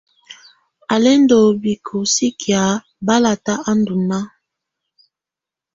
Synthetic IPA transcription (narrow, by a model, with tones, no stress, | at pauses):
a˨lɛ˦ndo˨bi˨kʰu˨si˦kja˨˦ | ba˦la˨ta˦a˦ndu˨na˦